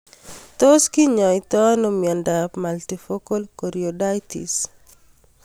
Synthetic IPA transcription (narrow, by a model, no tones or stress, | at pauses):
t̪oskiɲɔjt̪ɔnɔmiɔndapmaltifokolkoɾjodajtḭs